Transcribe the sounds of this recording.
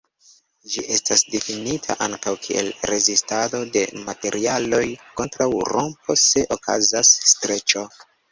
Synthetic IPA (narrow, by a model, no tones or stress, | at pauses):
d͡ʒiʔe̞stasdefinitʰa̰ʔaŋkawkʰie̞̰lɾe̞zistado̞de̞mate̞ɾʔialo̞jko̞ntɾawɾompo̞se̞ʔo̞kʰa̰zasːtɾe̞t͡ʃo̞